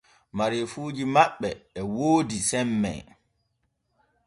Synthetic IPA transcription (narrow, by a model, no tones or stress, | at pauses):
maɾefuːd͡ʒimaɓːɛɛwoːdisɛmːɛ̰